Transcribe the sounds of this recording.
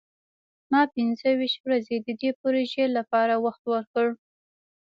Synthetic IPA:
mɑpɪnzəwiʃt̪wɾazed̪əd̪epoɾoʒelapɑɾawaxt̪wəɾkəɽ

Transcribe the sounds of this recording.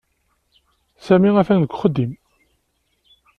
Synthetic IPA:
sæmiæfænəɡʷχəd̪ːim

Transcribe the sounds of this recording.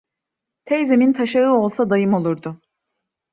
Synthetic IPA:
t̪ʰejzemint̪ʰaʃaɯo̞lˠsad̪ajɯmo̞lˠuɾd̪ʊ

